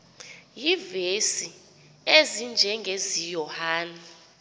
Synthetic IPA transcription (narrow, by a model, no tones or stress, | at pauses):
jivesi | ezind͡ʒʱɛŋɡʱezijɔhaːni